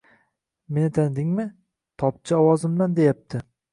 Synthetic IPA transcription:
me̞nɪt̪ʰand̪ɪŋmɪ | t̪ʰɒp̚t͡ʃʰɪɒwɒzɪmland̪e̞jap̚t̪ʰɪ

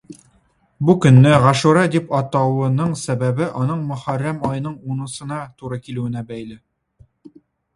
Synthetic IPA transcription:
bukɵ̆nːɘʁæʃuɾɑd̪ipɒt̪ɑwɤ̆nɤɴsæbæbɘʔɒnɤɴmɵ̆χæɾːæmɒjnɤɴunɤ̆sɤ̆nɑt̪uɾɑkilɘ̆wɘ̆næbæjlɘ

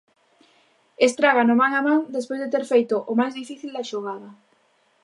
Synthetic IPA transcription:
est̪ɾaɣanʊmaŋamãŋd̪espojzðet̪eɾfejt̪ʊʔʊmajzðifiθild̪aʃoɣaðɐ

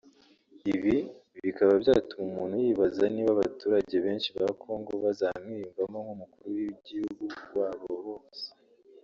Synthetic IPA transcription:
iβiβiβikaβabjaːtumumuːn̥hujiːβazaniːβaβa̰tuːɾaɟe̞βe̞ːnʃiβakʰo̞ŋɡo̞βazamŋiːumvamoŋhumukuɾuwiɟihuɡuwaːβoβoːse̥

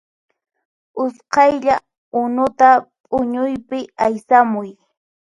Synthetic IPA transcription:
ʊsqɑjʎa | ʊnʊt̪apʼʊɲʊjpɪajsamʊj

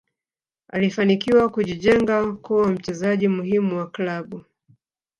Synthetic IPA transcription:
a̰lifanikiwakuʄiʄɛŋɡakuwam̩t͡ʃɛzaʄimuhimuwaklaɓu

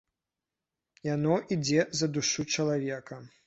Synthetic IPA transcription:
janɔʔid͡zʲɛzɐd̪uʂut͡ʂɐlˠavʲɛkɐ

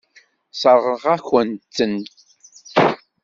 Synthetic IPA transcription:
səɾʁəʁaçənt͡sːənt̪

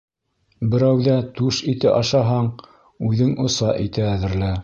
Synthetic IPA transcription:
bɘ̆ɾæwðæt̪ʉʃit̪ɘʔɑʃɑɦɑɴ | ʉðɘŋŏsɑʔit̪æːðɘ̆ɾlæ

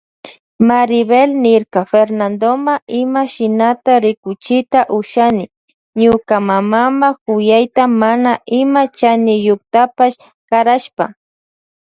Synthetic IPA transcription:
maɾɪβelnɪɾkafeɾnand̪omaɪmaʃɪnat̪aɾɪkʊt͡ʃɪt̪aʔʊʃanɪ | ɲʊkamamamakʊjajt̪amanaʔɪmat͡ʃanɪjokt̪apaʃ | kaɾaʃpa̰

